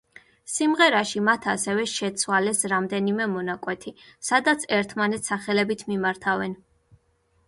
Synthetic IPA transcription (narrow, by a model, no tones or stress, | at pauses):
simʁɛɾaʃimat̪ʰasɛvɛʃɛt̪sʰwalɛsɾamd̪ɛnimɛmɔnakʼwɛt̪ʰisad̪at̪sʰɛɾt̪ʰmanɛt̪saχɛlɛbit̪ʰmimaɾt̪ʰavɛn